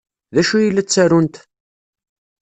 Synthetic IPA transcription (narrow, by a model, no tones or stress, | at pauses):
ðæʃujilːæt͡sːæɾunt̪